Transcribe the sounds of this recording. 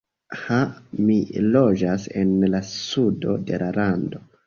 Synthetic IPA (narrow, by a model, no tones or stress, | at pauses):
hamilo̞d͡ʒasḛnlasudo̞de̞lalando̞